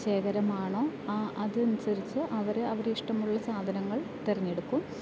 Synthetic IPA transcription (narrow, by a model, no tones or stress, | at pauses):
ɕe̞ːɡɐɾɐmaːɳo̞ːʔɐðɨɐnusɐɾit͡ɕːuʔɐʋɐɾeɐʋɐɾeiʂʈɐmuɭːɐsaːd̪ʱɐnɐŋːɐɭt̪erɐɲːe̞ɽukːum